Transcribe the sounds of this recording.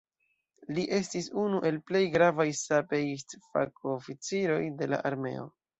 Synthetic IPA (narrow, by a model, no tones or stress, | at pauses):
liʔe̞stisunuʔe̞lple̞jɡɾavajsapejstfa̰kofit͡siɾo̞jde̞la̰ʔaɾme̞̰o̞̰